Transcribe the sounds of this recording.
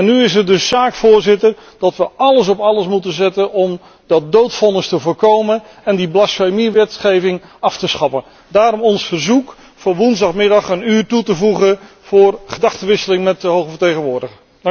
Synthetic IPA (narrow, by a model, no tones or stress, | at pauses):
ɛnːyɪs̬ətdɵsːaːkfʊːɹzɪtərd̥ɑtʋəɑləs̬ɔpɑləsmutəzɛtənɔm | dɑt̚dowtfɔnəstəvʊːɹkowmən | ɛndiblɑsfejmiʋɛtχejvɪŋɑftəsχɑpən | daːɾɔmɔnsfərzuk | fʊʋunzdɑχmɪdɑχənyːrtutəvuχə | v̥ʊːrχədɑχtəʋɪsəlɪŋmɛt̚dəɦowχəvəɹtejχənʋʊːɹdəχə